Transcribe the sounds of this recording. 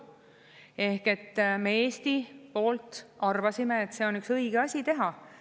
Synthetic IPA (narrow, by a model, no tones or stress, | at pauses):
e̞hke̞t̪ːmeeːst̪ipo̞ːlt̪ɑrvɑsime̞et̪se̞o̞nyksɤiɡ̥eɑsʲit̪e̞ɦɑ